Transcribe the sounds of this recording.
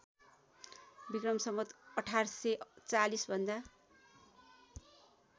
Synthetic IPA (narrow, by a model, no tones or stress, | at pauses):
bikrʌmsʌmʌt̪ʌʈʰarset͡salisbʱʌnd̪a